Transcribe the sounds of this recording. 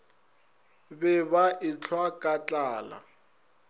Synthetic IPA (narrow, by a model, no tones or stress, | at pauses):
bɛbaʔɪt͡ɬʰwakʼat͡ɬʼaːla̰